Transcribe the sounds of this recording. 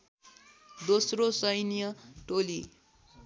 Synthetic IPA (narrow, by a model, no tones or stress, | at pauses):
d̪osrosʌjnijʌʈoli